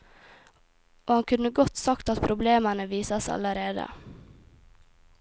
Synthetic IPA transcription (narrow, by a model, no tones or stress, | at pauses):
ʔoːhɑnkʰʉnəɡɔt̪sɑkt̪ɑt̪pʰɾʔʊbleːmənəʋiːsɑsɑ̰ləɾeːd̪ə̰